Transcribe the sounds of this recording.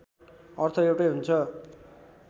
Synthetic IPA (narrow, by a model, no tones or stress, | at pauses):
ʌrt̪ʰʌewʈejɦunt͡sʰʌ